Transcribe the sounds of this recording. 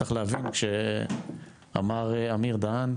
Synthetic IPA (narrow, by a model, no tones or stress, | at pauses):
aχleavinkʃe | a̰maʁamiʁd̪aan